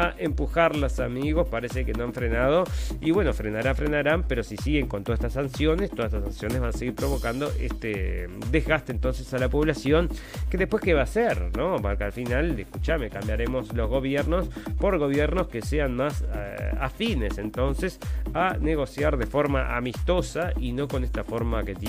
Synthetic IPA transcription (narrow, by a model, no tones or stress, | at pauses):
aʔempuxaɾlosamiɣo̞spaɾesekenoaɱfɾenað̞o̞iβwe̞no̞fɾenaɾafɾenaɾampeɾo̞sisiɣe̞ŋkont̪oaet̪asansjo̞nest̪oðaset̪asansjo̞nezβanaseɣiɾpɾo̞βo̞kand̪oʔḛst̪ed̪ezɣast̪eːnt̪o̞nsesalapo̞βlasjo̞nkeðe̞hpwe̞skeβaːseɾno̞maɾkalfinalehkut͡ʃame̞kambjaɾemo̞slo̞zɣo̞β̞jɛɾno̞spo̞ɾɣo̞β̞jɛɾno̞skeseanmasafinese̞nt̪o̞nsesaneɣ̞o̞sjaɾðe̞fo̞ɾmaʔa̰mist̪o̞saino̞ko̞nest̪afoɾmaket̪j